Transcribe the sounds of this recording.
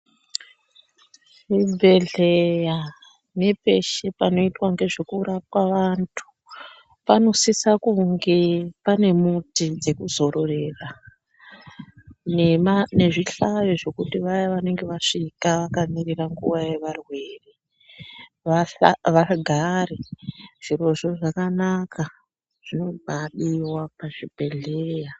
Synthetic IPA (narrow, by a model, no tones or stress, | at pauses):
ʐibʱe̞ɮeja | ne̞pe̞ʃe̞pano̞itwaŋɡe̞ʐekurap̚waʋantʰu̥ | pano̞sisakuŋɡe̞pane̞mutid͡ze̞kuzo̞ɾo̞re̞ːra | nne̞ʐiɬajoʐo̞kutiʋajaʋane̞ŋɡe̞ʋaʂikaʋakamiriraŋɡuʋaje̞ʋarwe̞ːre | aʋaɡʱareʐ̥iro̞ʐo̞ʐakanakʰa | ʐ̥ino̞bʱaɗiwapaʐibʱe̞ɮeːja